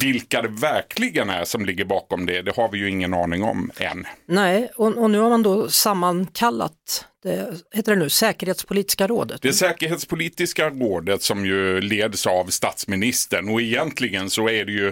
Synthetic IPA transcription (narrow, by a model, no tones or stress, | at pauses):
vɪlkad̪ɛvæɾkʰlɪɡənæ̰ʂɔmlɪɡːəɾbɑːkɔmd̪ɛd̪ɛhaɾvɪjɵɪŋːənɑːnɪŋɔ̰mɛ̰nːnɛɪɔɔnʉ̟ːhaɾmand̪ɔsamːankʰalːa̰t̪̚d̪̥ɛheːt̪əɖɛnʉ̟ːsɛːkəɾheːt̪spʰʊliːt̪ɪ̥skaɾo̰ːd̪ə̰t̪d̪ɛsɛːkəɾɦeːt̪spʰʊliːt̪ɪskaɾoːd̪ət̪sɔmjɵleːd̪əsavst̪ɑːt̪smɪnɪst̪əɳɔɪjɛnt̪ʰlɪɡənsɔæɖɛjɵ